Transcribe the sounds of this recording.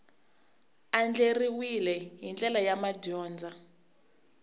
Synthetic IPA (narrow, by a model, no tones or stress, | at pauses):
and͡ɮeriwilɛɦind͡ɮʼɛlajamaɟɔːnd͡zʱa